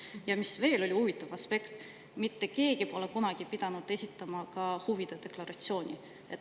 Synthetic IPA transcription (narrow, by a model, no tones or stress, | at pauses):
jɑmisve̞ːlo̞lʲiuvit̪ːˑɑvɑspe̞kt̪ | mit̪ːeke̞ːɡipo̞le̞kunɑɡ̥ipid̪̥ɑnud̪̥e̞sʲit̪ːˑɑmɑkɑhuvid̪̥ed̪̥e̞klɑɾɑt̪sio̞ːnʲi | e̞t̪